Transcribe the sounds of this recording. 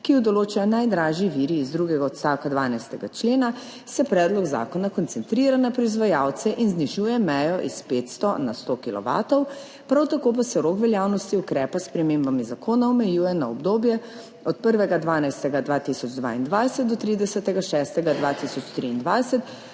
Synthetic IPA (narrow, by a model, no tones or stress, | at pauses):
kiud̪ɔloːt͡ʃanajd̪ɾaːʒiʋiːɾiːzd̪ɾuɡɛɡaɔt̪st̪aːwkad̪ʋaːnajst̪ɛɡat͡ʃleːna | sɛpɾɛːd̪lɔɡza̰ːkɔnakɔnt̪sɛnt̪ɾiːɾanapɾɔizʋajaːwt̪sɛʔinzniʒuːjɛmɛjɔʔispeːt̪st̪ɔnast̪okilɔ̰ʋa̰ːt̪ɔw | pɾawt̪akop̬asɛɾoːkʋɛljaːwnɔst̪iukɾɛːpaspɾɛmembamizakoːnaɔmɛjuːjɛnaɔbd̪oːbjɛ | ɔt̪̚pəɾʋɛɡad̪ʋaːnajst̪ɛɡad̪ʋaːt̪isɔd͡ʒd̪ʋa̰ːind̪ʋajsɛt̪̚d̪ɔt̪ɾiːd̪ɛsət̪ɛɡaʃɛst̪ɛɡad̪ʋat̪isɔt͡ʃt̪ɾiːnd̪ʋajsɛt̪